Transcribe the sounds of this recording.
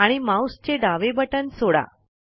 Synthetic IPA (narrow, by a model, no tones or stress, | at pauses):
aɽ̃imawst͡ɕeɖaʋebəʈənsoɽa̰